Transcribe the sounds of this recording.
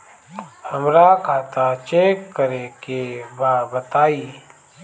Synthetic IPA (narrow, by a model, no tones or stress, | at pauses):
həmɾakʰaːt̪at͡ʃeːkːəɾekebabət̪aːiː